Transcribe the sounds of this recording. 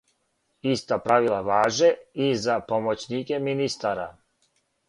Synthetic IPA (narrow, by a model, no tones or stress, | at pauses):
ist̪apɾaʋilˠaʋaːʒeizapo̞mot͡ɕnikeminist̪aɾa